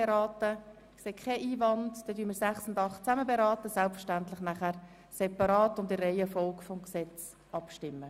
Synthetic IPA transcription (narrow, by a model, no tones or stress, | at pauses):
eɾɑːtə | kseːkʰχɛʔiːvɑndd̥ɛdyːmiːɾsæχsʊndɑχtt͡saməbeɾɑːtəsælpfəɾʃtæntlɪχnæχæɾ | sɛpɑɾɑːtʊndɪrɛɪəfɔlkfɔmksɛt͡s | ʔɑpʃtɪmːə